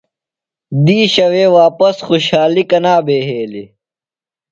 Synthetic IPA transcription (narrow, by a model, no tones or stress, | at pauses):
d̪iːɕɐweːwaːpɐsxuɕhaːlikɐnaːbeːɦeːli